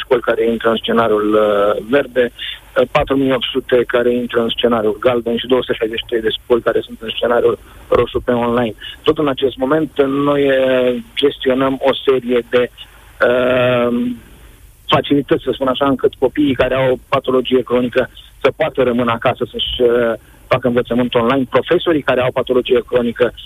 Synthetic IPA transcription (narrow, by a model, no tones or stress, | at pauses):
ʃko̞lʲkaɾe̞int̪ɾəɨnst͡ʃe̞naɾiulve̞rd̪e̞pat̪ɾumijo̞p̚t̪sut̪e̞kaɾe̞int̪ɾəɨnst͡ʃe̞naɾijulɡald̪enʃid̪osut̪əʃajzet͡ʃʃit̪ɾejd̪e̞ʃko̞lʲkaɾe̞sunt̪ɨnst͡ʃe̞naɾiul | rʔo̞ʃupeonlajnt̪o̞t̪ɨnat͡ʃe̞st̪mo̞me̞nt̪no̞jəd͡ʒe̞st̪io̞nəmo̞se̞ɾije̞d̪e̞ | ə | fat͡ʃilit̪ət̪sʲsəspunaʃaɨŋkɨt̪ko̞piːkaɾeawpat̪o̞lo̞d͡ʒije̞kɾo̞nikəsəpoat̪əɾəmɨnəakasəsəʃʲ | fakəɨnvət̪səmɨnt̪o̞nlajnpɾo̞fe̞so̞ɾikaɾeawpat̪o̞lo̞d͡ʒijekɾo̞nikə